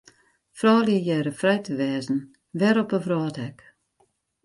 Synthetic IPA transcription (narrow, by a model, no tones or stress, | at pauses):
frɑːljəjɛɾəfrɛjtəʋɛːzn̩ | ʋɛɾɔpəfrɑːtɛk